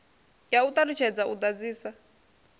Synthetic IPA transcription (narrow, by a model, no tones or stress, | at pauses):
jaut̪arit͡ʃʰɛd͡zaʔutad͡ziːsa